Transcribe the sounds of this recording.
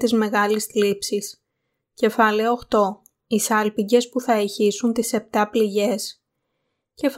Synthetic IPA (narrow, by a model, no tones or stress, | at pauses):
t̪izme̞ɣɐlisθlipsis | ce̞fɐleooxt̪o̞ | isɐlpiɲɟe̞spuθɐeçisunt̪ise̞p̚t̪ɐpliʝe̞s | ce̞f